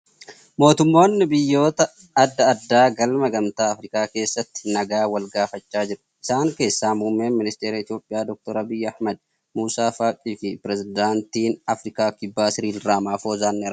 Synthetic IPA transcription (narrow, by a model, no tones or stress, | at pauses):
mo̞ːt̪ʊmːo̞ːnːɪbɪjːo̞ːt̪ɐ | ɐd̪ːɐːd̪ːaːɡɐlmɐɡɐmt̪aːɐfɾɪkaːke̞ːsːɐt̪ːɪ̥nɐɡaːwɐlɡaːfɐt͡ʃːaːd͡ʒɪɾ | ɪ̥saːŋke̞ːsːaːmhʊmːeːnmɪnɪst̪eːɾɐɪt̪ijo̞ːpʼːɪjaːd̪ɔk̚t̪ɔɾɐbɪjːɐhmɐd̪̚ | muːsaːfaːkʼiːfɪpɪɾɛzɪd̪aːnt̪iːnɐfɾɪkaːkɪbːaːsɪɾiːlraːmaːfoːzaːnːɛɪɾ